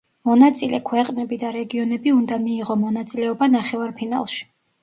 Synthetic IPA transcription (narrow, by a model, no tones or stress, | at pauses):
mɔnat̪sʼilɛ̰kʰwɛqʼnɛbid̪aɾɛɡiɔnɛbiund̪amiːʁɔmɔnat̪sʼilɛɔbanaχɛvaɾpʰina̰lˠʃi̥